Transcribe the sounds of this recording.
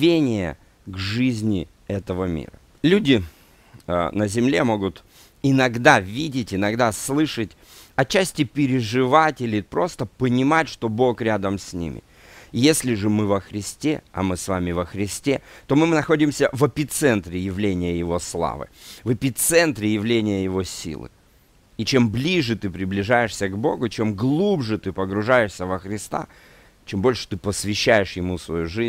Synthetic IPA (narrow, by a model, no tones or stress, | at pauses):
vʲenʲɪjə̰ | ɡʐɨzʲnʲɪ | ɛt̪əvəmʲḭɾə̰ | lʲudʲɪ | nəzʲɪmlʲe̞mo̞ɡʊt̪ | ɪnɐɡd̪avʲidʲɪtʲɪnɐɡd̪aslˠɨʂətʲ | ɐt͡ɕæsʲtʲɪpʲɪɾʲɪʐɨvatʲɪlʲɪpɾo̞st̪əpənʲɪmatʲʂt̪o̞bo̞kɾʲad̪əmsʲnʲḭmʲɪ̰ | jesʲlʲɪʐɨmɨvəxɾʲɪsʲtʲe̞ɐ̰mɨsvamʲɪvəxɾʲɪsʲtʲe̞t̪o̞mɨnɐxo̞dʲɪmsʲəvɐpʲɪt̪sɛnt̪ɾʲɪjɪvlʲenʲɪjəjɪvo̞slˠa̰vɨ̰vɐpʲɪt̪sɛnt̪ɾʲɪjɪvlʲenʲɪjəjɪvo̞sʲḭlˠɨ̰ | it͡ɕe̞mblʲiʐɨt̪ɨpɾʲɪblʲɪʐajɪʂsʲəɡbo̞̰ɡʊt͡ɕe̞mɡlˠubʐɨt̪ɨpəɡɾʊʐajɪʂsʲəvəxɾʲɪst̪a̰ | t͡ɕembo̞lʲʂɨ̥t̪ɨpəsvʲɪɕːæjɪʂjɪmusvɐjuʐɨz